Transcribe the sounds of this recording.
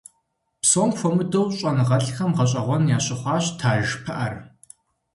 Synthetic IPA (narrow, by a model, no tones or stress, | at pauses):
psoːŋxʷɔmɨdowɕʼɐnɨʁɐɬxɐmʁɐɕʼɐʁʷɔnjaːɕʼɪχʷɑːɕtʰaːʒpʰɐʔɐr